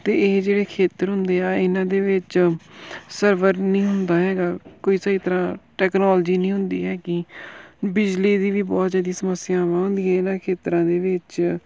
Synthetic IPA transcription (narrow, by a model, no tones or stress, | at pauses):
t̪eːeːd͡ʒeːɽeːkʰeːt̪əɾɦʊnd̪eːaːɪnãːd̪eːʋɪt͡ʃ | səɾʋəɾnĩːɦʊnd̪aːɦɛːɡaːkoːiːsaːiːt̪əɾãːʈɛːknɔːld͡ʒiːnĩːɦʊnd̪ḭːɦɛːkɪ | bɪd͡ʒliːd̪iːʋiːbɔːt̪zaːd̪iːsəməsɪjãːʋãːɦʊ̃nd̪iːɛːɪnãːkʰeːt̪ɾãːd̪eːʋɪt͡ʃ